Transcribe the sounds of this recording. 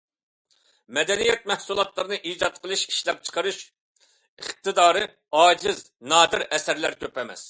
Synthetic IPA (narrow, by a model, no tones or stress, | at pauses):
mɛd̪ɛnijɛt̪̚mɛhsulˠɑt̪lˠɨɾɨnɨʔiːd͡ʒɑt̪̚qʰəlˠɨʃiʃlɛp̚t͡ʃʰə̥qʰəɾuʃ | əχ̚t̪ʰɨd̪ɑːɾɨ | ɑːd͡ʒɪz | nɑːd̪ɨɾɛsæɾlæɾkʲøpɛmɛ̰s